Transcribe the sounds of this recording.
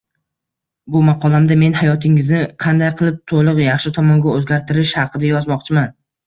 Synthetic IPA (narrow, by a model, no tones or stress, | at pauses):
bʊmɑqʰɒlˠamd̪ame̞nhajɒt̪ʰɪŋɪznɪqʰɑnd̪ajqʰɨlˠɪp̚t̪ʰolˠɨqjɑχʃɪt̪ʰɒmɒŋɡʲaɵzɡʲaɾt̪ʰɪɾɪʃhɑqʰɨd̪ajɒzmɒqt͡ʃʰɪman